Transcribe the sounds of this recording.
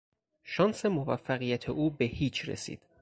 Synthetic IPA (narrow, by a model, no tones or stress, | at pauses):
ʃɒːnse̞movæfːæɣijæt̪ʰeʔuːbe̞hiːt͡ʃʰɾḛsḭːd̪̥